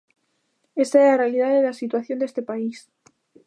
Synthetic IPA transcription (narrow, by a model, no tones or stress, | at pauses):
e̞st̪aelarealið̞aðelasit̪waθjo̞nd̪est̪epais